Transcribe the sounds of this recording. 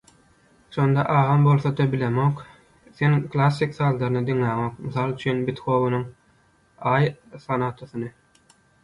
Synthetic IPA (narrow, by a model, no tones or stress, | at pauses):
ʃo̞nd̪ɑʔɑːʁɑmbo̞lˠθɑd̪ɑbilemok | θenkʰlˠɑsːiksɑːlːˠɑɾɯnɯd̪iŋlæːŋo̞kmiθɑːlˠt͡ʃʰynbit̪xo̞ːβunuŋ | ɑːjsɑnɑt̪ʰoθɯnɯ